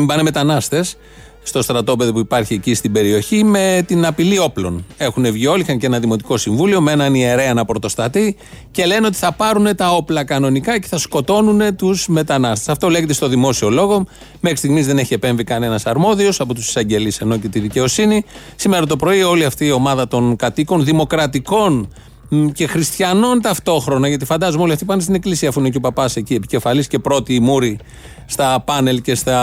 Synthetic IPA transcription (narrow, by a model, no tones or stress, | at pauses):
mbɐneme̞t̪ɐnɐst̪e̞s | st̪o̞st̪ɾɐt̪o̞pe̞ðo̞puipɐɾçiecist̪ibe̞ɾio̞çime̞t̪inɐpilio̞plo̞ne̞xune̞vʝio̞lixɐnceenɐðimo̞t̪iko̞siɱvulio̞me̞nɐnieɾe̞ɐnɐpɾot̪o̞st̪ɐt̪i | ce̞le̞neo̞t̪i̥θɐpɐɾune̞t̪ɐo̞plɐkɐno̞nikɐce̞θɐsko̞t̪o̞nune̞t̪uzme̞t̪ɐnɐst̪e̞sɐft̪ole̞ʝet̪e̞st̪o̞ðimo̞sio̞lo̞ɣo̞ | me̞xɾist̪iɣmizðe̞neçie̞pe̞ɱvikɐne̞nɐsɐɾmo̞ðio̞sɐpo̞t̪usi̥sɐɲɟe̞lise̞no̞ce̞t̪iðice̞o̞sini | sime̞ɾɐt̪o̞pɾo̞io̞liɐft̪iːo̞mɐðɐt̪o̞nkɐt̪iko̞nðimo̞kɾɐt̪iko̞n | ce̞xɾist̪çɐno̞nt̪ɐft̪o̞xɾo̞nɐʝɐt̪ifɐnd̪ɐzumeo̞liɐft̪ipɐnst̪ine̞klisiɐfuinecopɐpɐse̞cie̞pice̞fɐlisce̞pɾo̞t̪iːmuɾi | st̪ɐpɐne̞lce̞st̪ɐ